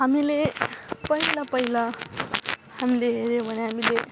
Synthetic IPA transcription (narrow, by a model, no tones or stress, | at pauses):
ɦamilepʌilʌpʌilʌ | hamileɦeɾjobʱʌneɦamile